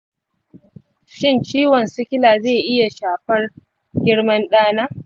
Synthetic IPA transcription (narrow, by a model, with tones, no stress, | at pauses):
ʃɪ˦˨nt͡ʃiː˦wɔ˨nsɪ˦kʲɪ˦laː˨zeː˦˨ʔɪ˦ja˨ʃaː˨ɸɐ˦r | ɡʲɪ˦ɽmɐ˦nɗaː˦naː˦